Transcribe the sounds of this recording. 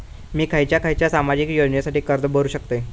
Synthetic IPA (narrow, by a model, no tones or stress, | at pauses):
miːkʰajt͡ɕjakʰajt͡ɕjasamad͡ʑiːkjod͡ʑɳjəsaʈiːkəɾd̪bəɾuːɕək̚t̪e